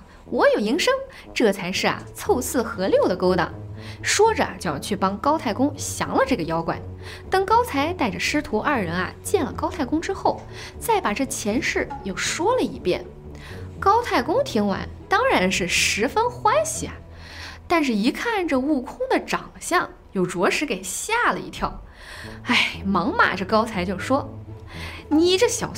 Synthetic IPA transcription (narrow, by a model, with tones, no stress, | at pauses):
wɔ˧˥jo˨˩i˧˥ŋʂɤ˥ŋ | ʈ͡ʂɤ˥˩t͡sʰa˧˥ɪʂɻ̩˥˩ɐ̰˩t͡sʰo˥˧ʊt͡sʰɹ̩˥˩xɤ˧˥ljo˥˩ʊd̪ə˩ko˥ʊt̪ɑ̰˨˩ŋʂwɔ˥ʈ͡ʂə˨ɐ̰˨t͡ɕjt͡ɕʰy˥˩pɑ˥ŋkɑ˥ʊt̪ʰa˥˩ɪkʊ˥ŋɕjɑ̰˧˥ŋlə˧ʈ͡ʂɤ˥˩ɡə˩jɑ˥ʊkwa̰˨˩˦n | t̪ɤ˥ŋkɑ˥ʊt͡sʰa˧˥ɪt̪a˥˩ɪʈ͡ʂə˩ʂɻ̩˥t̪ʰu˧˥ʔɐ˞˥˩ɻə˧˥nɐ̰˧t͡ɕjɛ˥˩nlə̰˩kɑ˥ʊt̪ʰa˥˩ɪkʊ˥ŋʈ͡ʂɻ̩˥xo˥˩ʊ | t͡sa˥˩ɪpa˨˩ʈ͡ʂɤ˥˩t͡ɕʰjɛ˧˥nʂɻ̩˥˩jo˥˩ʊʂwɔ˥lə˨ḭ˧˥˩pjɛ̰˥˩n | kɑ˥ʊt̪ʰa˥˩ɪkʊ˥ŋt̪ʰi˧˥ŋwa̰˧˥nt̪ɑ˥ŋɻa˧˥nʂɻ̩˥˩ʂɻ̩˧˥fə˥nxwa˥nɕi˨˩ɐ˨˩ | t̪a˥˧nʂ̬ɻ̩˥˩i˧˥kʰa˥˩nʈ͡ʂə˧u˥˩kʰʊ˥ŋd̪ə˨ʈ͡ʂɑ̰˨˩ŋɕjɑ˥˩ŋ | jo˨˩ʊʈ͡ʂwɔ˧˥ʂɻ̩˧˥ke˨˩ɪɕja˥˩lə̰˨˩ḭ˧t̪ʰjɑ˥˩ʊ | a˥˩ɪmɑ˧˥ŋma̰˨˩ʈ͡ʂɤ˥˩kɑ˥ʊt͡sʰa˧˥ɪt͡ɕjo˥˩ʊʂwɔ˥ | ni˨˩ʈ͡ʂə˥˩ɕjɑ˨˩ʊ